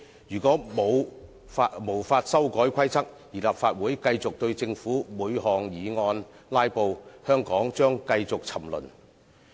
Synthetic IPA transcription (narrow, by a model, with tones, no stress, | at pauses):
jyː˨˩kɔː˨˥mo˨˧w | a˧mo˨˩wfaː˧t̚sɐ˥wkɔː˨˥jkʰɐ˥jt͡sʰɐ˥k̚ | jiː˨˩laː˨pfaː˧t̚wuː˨˥jkɐ˧jt͡sʊ˨k̚t̪ɵ˧ɥt͡sɪ˧ŋfuː˨˥muː˨˧jhɔː˨ŋjiː˨ŋɔː˧nlaː˥jpo˨˧whœː˥ŋkɔː˨˥ŋt͡ʃœː˥ŋkɐ˧jt͡sʊ˨k̚t͡sʰɐ˨˩mlɵ̰˨˩n